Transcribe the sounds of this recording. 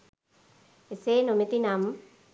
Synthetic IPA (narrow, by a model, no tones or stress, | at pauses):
eseːnumet̪inam